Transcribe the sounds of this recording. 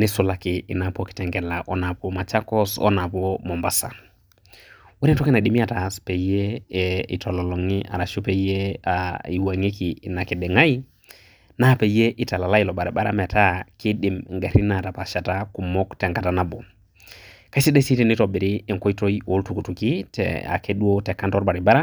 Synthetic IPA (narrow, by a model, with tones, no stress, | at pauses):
nɪ˦sʊ˨la˦kɪ˨ɪ˨na˨pɔ˦ki̥tɛ˨ŋɡɛ˨la˨ʔɔ˦na˨pɔ˦ma˨t͡ʃa˦kɔ˦sɔ̰˦na˨pɔ˦mɔ˨mba˨sa̰˨ | wɔ˦ɾi˦ntɔ˦ki˦na˨ɗi˦mi˦a˨ta˨spe˨ije˦ḭ˨tɔ˨lɔ˨lɔ˨ŋi˦ʔa̰˨ɾa˨ʃu˦pe˨je˦ai˨wa˨ŋi˦kiː˨na˨ki˨dɛ˨ŋa˦i˦ | na˦pe˨je˦ʔɪ˨ta˨la˨la˦i˨lɔ˨ba˨ɾi˨ba˦ɾa̰˦mɛ˨ta˦ki˦dɪ˨mŋɡa˨ɾi˦na˨ta˨pa˨ʃa˨ta˦ku˨mɔ˦ktɛ˨ŋka˨ta˦na˦bɔ˨ | ka˦si˦dɛ˦si˦ti˦nɪ˦tɔ˨bɪ˨ɾɪː˦˨ŋkɔ˦i˦to˦i˦o˨˦ltu˨ku˨tu˨ki˦tɛ̰˨a̰˨ke˦du˦o˦tɛ˨kːa˦ntɔ˦ɾba˨ɾi˨ba˦ɾa˦